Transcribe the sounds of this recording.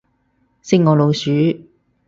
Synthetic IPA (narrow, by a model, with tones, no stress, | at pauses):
sɪ˥ŋɔː˨˧lo˨˧wsyː˨˥